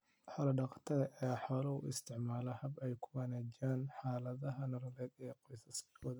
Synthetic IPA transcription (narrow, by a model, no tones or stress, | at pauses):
ħɐlɐɖɐqt̪ʰɐðɐʔɛːħɔlɐʊ̰ɪ̰st̪ʰɪʕmaːlɐhɐbɛjkʰʊwɐnaːd͡ʒaːnħaːlɐðɐɦɐnɐɾɐlɛːd̪ɛːqɔjsɐskʰɔːðɐ